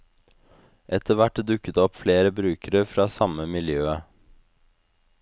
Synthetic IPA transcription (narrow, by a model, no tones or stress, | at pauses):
ʔɛt̪əʋæʈːd̪ʉkːət̪əɔpfleːɾəbɾʉːkəɾəfɾɑːsɑməmɪljøːə